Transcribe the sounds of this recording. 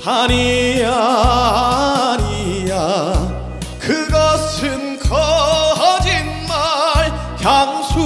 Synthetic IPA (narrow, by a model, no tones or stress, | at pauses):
haɲiɾa | ɲia | kɯɡʌsʰɯnkʰʌɦʌd͡ʑinmaɭ | kjaŋsʰu